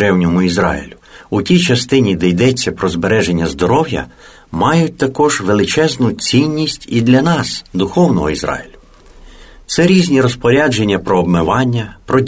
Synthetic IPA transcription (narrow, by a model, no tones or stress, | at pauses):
ɾɛwnʲɔmʊizɾɑ̰ḭlʲʊutʲijt͡ʃɐst̪ɪnʲid̪ɛjd̪ɛt͡sʲːɐpɾɔzbeɾɛʒenʲːɐzd̪ɔɾɔwjɐ̰ | mɑjʊt̚ʲt̪ɐkɔʒʋelˠɪt͡ʃɛznʊt͡sʲinʲːisʲtʲid̪lʲɐnɑsd̪ʊxɔwnɔ̰ɦɔizɾɑ̰jɪlʲʊ | t̪sɛɾʲizʲnʲiɾɔspɔɾʲad͡ʒe̞nʲːɐpɾɔːbmɪʋɑnʲːɐpɾɔ